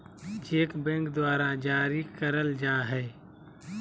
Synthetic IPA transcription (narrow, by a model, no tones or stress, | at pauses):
d͡ʒeːkbɛ̃ːŋkd̪waːɾad͡ʒaːɾikəɾəld͡ʒaːɦɛː